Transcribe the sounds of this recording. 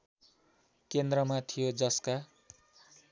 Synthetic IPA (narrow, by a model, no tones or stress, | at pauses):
kend̪rʌmat̪ʰijod͡zʌska